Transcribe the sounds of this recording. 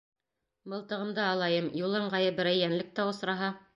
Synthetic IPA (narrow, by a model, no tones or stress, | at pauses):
bɤ̆lˠt̪ɤ̆ʁɤ̆md̪ɑːlˠɑjɤmjulˠɤɴʁɑjɤbɘ̆ɾæjːænlɘk̚t̪æŏsɾɑɦɑ